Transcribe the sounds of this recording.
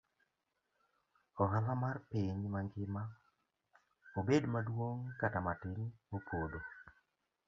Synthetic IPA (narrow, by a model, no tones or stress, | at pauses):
ɔɦalamarpɪɲmaŋɡɪma | obedmadwoŋkatamatɪnmopʰodo